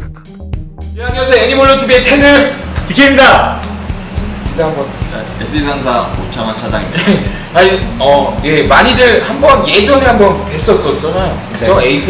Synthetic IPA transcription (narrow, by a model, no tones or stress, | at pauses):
iamiʌsʰʌeɲimoɭːotʰibietʰenɯɭtɯkʰemda | isʰaɦansʰʌna̰ | es͈ʰɯisʰans̬ʰaot͡ɕʰaŋant͡ɕʰad͡ʑa̰ŋḭd | aiʌje̞maɲidɯɭhambʌnje̞d͡ʑʌŋeɦambʌnpes͈ʌs͈ʌt̚t͡ɕ͈anajo | eʌeipʰ